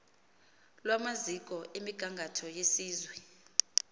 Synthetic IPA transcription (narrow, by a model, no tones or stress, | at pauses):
lwamazikʼɔʔemiɡ̥ʱaŋɡʱatʰɔjesiːzwɛ